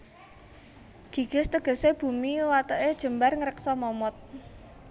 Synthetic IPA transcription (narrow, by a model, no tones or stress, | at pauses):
ɡ̥i̤ɡ̥ə̤st̪əɡ̥ə̤seb̥ṳmiwat̪ɔʔed̥ʒ̥ə̤mbarŋəɾəksɔmɔmɔt̪̚